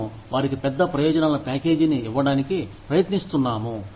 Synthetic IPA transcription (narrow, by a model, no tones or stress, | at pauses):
ʋaːɾikipɛd̪ːɐpɾɐjɔːd͡ʒɐnaːlɐpaːke̞ːd͡ʒiniːʋːɐɽaːnikipɾɐjɐt̪nist̪unːaːmu